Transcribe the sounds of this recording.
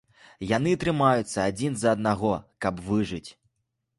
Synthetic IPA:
janɨt̪ɾɨmajut̪sːɐad͡zʲinzɐːd̪̚naɣɔkɐbvɨʐɨt͡sʲ

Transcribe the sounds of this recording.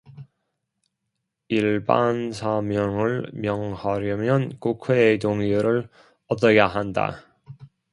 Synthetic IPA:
iɭbansʰamjʌŋɯɭmjʌŋhaɾjʌmjʌnkukʰweːtoŋuɾɯɭ | ʌt͈ʌjaɦanda̰

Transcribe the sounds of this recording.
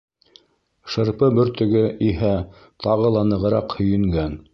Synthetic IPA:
ʃɤ̆ɾpɤbɵ̆ɾt̪ɵ̆ɡɘʔiɦæ | t̪ʰɑʁɤlˠɑnɤ̆ʁɤ̆ɾɑqhɵ̆jɘ̆ŋɡæn

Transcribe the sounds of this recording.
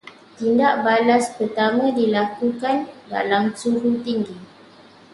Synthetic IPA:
t̪indaʔbalaspərt̪amə̃dilakukanda̰lamsuɾut̪iŋɡi

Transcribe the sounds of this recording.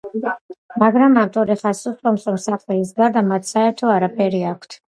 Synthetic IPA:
maɡɾamamt̪ʼɔɾɛχasust̪ʼɔmsɔmsaχlɛisɡaɾd̪amat̪ʰsaɛɾt̪ʰɔaɾapʰɛɾiakʷʰt̪ʰ

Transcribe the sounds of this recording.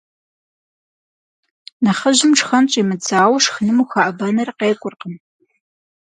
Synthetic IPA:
naχəʑɪmʈ͡ʂʰʼxɐnt͡ʃʼimɨd͡zaːwɐʂxənɨmuxaʔɐbɐnɐrqeːkʷʼʊrqəm

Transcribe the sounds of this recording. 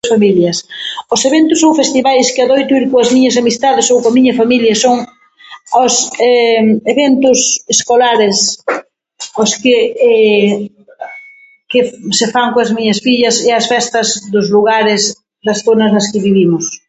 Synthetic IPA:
sfamiljɐsoseβent̪ʊsowfest̪iβajskeaðojt̪uiɾkoɐzmiɲɐsamist̪aðesowkamiɲɐfamiljɐsoŋ | osɛeβent̪ʊseskolaɾes | oskɪɛ | kɪsefaŋkoɐzmiɲɐsfiʎɐseɐsfɛst̪ɐzðʊzluɣaɾɪz | ðɐsθonɐznɐskɪβiβ̞imʊs

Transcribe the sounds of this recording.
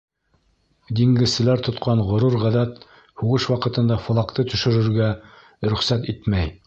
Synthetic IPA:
d̪iŋɡɘ̆zsɘ̆læɾt̪ŏt̪qʰɑɴʁŏɾuɾʁæðæt̪ | huʁɤʃwɑqɤ̆t̪ɤ̆nd̪ɑfŏlˠɑqt̪ɤt̪ɵ̆ʃɵ̆ɾɘ̆ɾɡæ | ɾɵ̆χsæt̪it̪mæj

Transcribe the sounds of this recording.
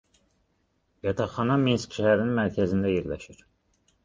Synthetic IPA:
jɑt̪ʰɑχɑnɑminskʃæhæɾininmæɾcʰæzind̪æjeɾlæʃiɾ

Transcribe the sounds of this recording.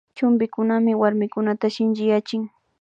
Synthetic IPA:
t͡ʃʊmbɪkʊnamɪwaɾmɪkʊnat̪aʃɪnt͡ʃɪjat͡ʃɪŋ

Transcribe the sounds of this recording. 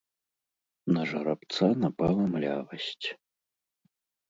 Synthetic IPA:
nɐʐɐɾapt̪sanɐpalˠɐmlʲavɐsʲt͡sʲ

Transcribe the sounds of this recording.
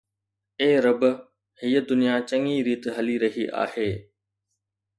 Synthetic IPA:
eːɾɐb | hiːəd̪ʊnijat͡ɕɐŋiɾiːt̪ɦɐliɾɐɦiʔa̰ːheː

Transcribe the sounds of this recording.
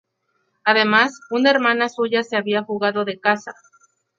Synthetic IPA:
aðe̞masunaeɾmãnasuʝase̞aβiaxuɣaðo̞ðe̞kasa

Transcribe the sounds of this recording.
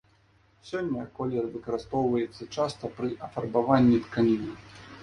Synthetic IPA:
sʲɔnʲːɐkɔlʲɛɾvɨkɐɾɨst̪ɔwvɐjɛt̪sːɐt͡ʂast̪ɐpɾɨʔɐfɐrbavanʲːit̪kanʲinɐ

